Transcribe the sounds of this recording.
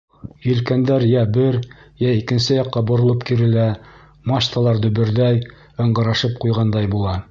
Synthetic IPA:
jɵ̆lkænd̪æɾjæbɘɾjæikɘ̆nsɘjɑqːɑbŏɾŏlˠɤpkiɾɘ̆læ | mɑɕt̪ɑlˠɑɾd̪ɵ̆βɘ̆ɾd̪æj | ɤ̆ɴɢɤ̆ɾɑʃɤp̚qujʁɑnd̪ɑjbulˠɑ

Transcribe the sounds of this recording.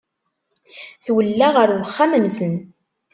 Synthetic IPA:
θwəlːaʁəɾwəχːamənsən

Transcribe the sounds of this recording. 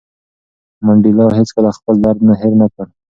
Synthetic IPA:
maɳɖilɑwɦet͡skəlaxpəld̪aɾd̪naɦɪɾnakəɽ

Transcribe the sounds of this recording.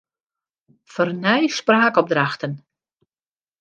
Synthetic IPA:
fɔrnɛjspraːkɔp̚draxtən

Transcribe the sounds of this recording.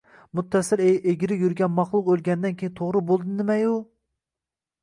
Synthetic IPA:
mut̪ʰːɛsɪlʔeɡʲiɾɪjyɾɡʲɛnmɑχlˠʊqølˠɡʲɛnd̪ɛnkʲʰejint̪ʰoʁɾɨbolˠd̪ɨnɪmɛju

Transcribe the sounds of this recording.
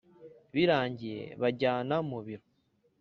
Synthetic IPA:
βiɾaːɲɟijḛβaɟaːnamuβiɾo

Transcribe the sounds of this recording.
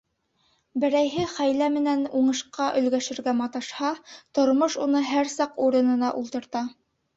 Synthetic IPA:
bɘ̆ɾæjɦɘχæjlæmɘ̆nænuɴɤ̆ʃqɑʔɵ̆lɡæʃɘ̆ɾɡæmɑt̪ɑʃhɑt̪ŏɾmoʃunɤɦæɾsɑquɾɤ̆nɤ̆nɑʔulˠt̪ɤ̆ɾt̪ɑ

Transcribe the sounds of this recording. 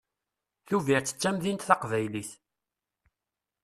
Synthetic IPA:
θuviɾt͡sːə̥t͡sːæmðint̪θɑqvæjliθ

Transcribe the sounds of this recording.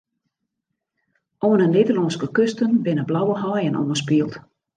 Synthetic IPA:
oːənəneːdəlɔːnskəkøstənbɪnəblawəɦɔjənʔo̰wəspiəlˠt

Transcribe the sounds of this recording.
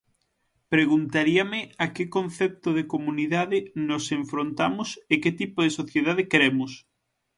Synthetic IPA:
pɾeɣunt̪aɾiamɪakekonθɛp̚t̪ʊðekomuniðaðɪnoseɱfɾont̪amʊseket̪ipoðesoθjeðaðɪkɾɛmʊs

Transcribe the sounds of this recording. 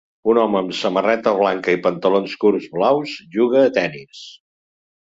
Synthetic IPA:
unɔməːmsəmərɛt̪əβlaŋkəipənt̪əlonskuɾzβlawzʒuɣ̞əːt̪ɛnis

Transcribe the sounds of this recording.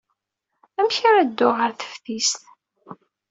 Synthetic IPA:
æmçaɾæd̪ːʊʁəɾθə̥fθist̪

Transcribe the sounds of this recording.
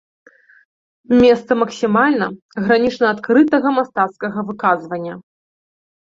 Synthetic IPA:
mʲɛst̪sɐmɐksʲimalʲnɐ | ɣɾanʲit͡ʂnɐat̪kɾɨt̪ɐɣɐmast̪at̪skɐɣɐvɨkazvɐnʲːɐ

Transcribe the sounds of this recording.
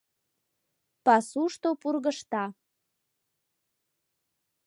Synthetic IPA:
pɑsuʃt̪opurɣəʃt̪ɑ

